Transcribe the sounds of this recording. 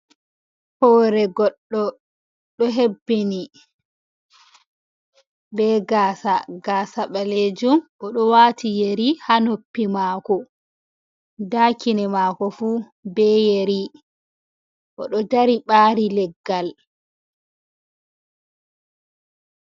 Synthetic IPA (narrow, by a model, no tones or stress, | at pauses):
hɔːɾɛɡɔɗːɔ | ɗɔɦebːini | bɛɡaːsaɡaːsaɓaled͡ʒumʔɔɗɔwaːtʰijeɾihanopːimaːkɔ | daːkinɛmakɔfu | bɛjeɾi | ʔɔɗɔd͡ʒaɾiɓaːɾilɛɡːal